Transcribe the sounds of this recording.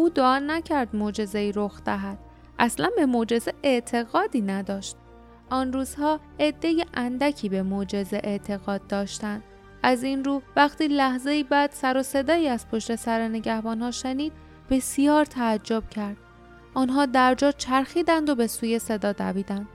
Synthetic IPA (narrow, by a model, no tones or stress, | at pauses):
ʔuːd̪oʔɒːnæcʰæɾd̪mod͡ʒe̞ze̞iːɾoxd̪̥æɦæd̪̥ | ʔæslænbe̞mod͡ʒe̞zeʔe̞ʔt̪ʰe̞ɣɒːd̪iːnæd̪ɒːʃt̪̚ | ʔɒnruːz̥hɒːʔed̪ːe̞jeʔænd̪æcʰiːbe̞mod͡ʒe̞zeʔe̞ʔt̪ʰe̞ɣɒːd̪̚ːɒːʃt̪ænd̪ | ʔæzinɾuːvæxt̪iːlæhze̞iːbæd̪̥sæɾo̞se̞d̪ɒːiːæz̥pʰo̞ʃt̪e̞sæɾene̞ɟæhbɒːnɦɒːʃeniːd̪̥ | be̞sijɒːɾt̪ʰæːd͡ʒːo̞b̥̚cʰæɾd̪̥ | ʔɒːnɦɒːd̪æɾd͡ʒɒːt͡ʃʰæɾxiːd̪ænd̪obe̞suːje̞se̞d̪ɒːd̪æ̰biːd̪ænd̪̥